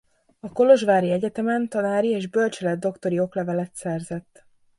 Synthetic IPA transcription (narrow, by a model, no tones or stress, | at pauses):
ɒko̞lo̞ʒvaːɾiɛɟɛt̪ɛmɛnt̪ɒnaːɾieːʒbølt͡ʃɛlɛd̪̚d̪o̞kt̪o̞ɾio̞klɛvɛlɛt̪sɛrzɛt̪ː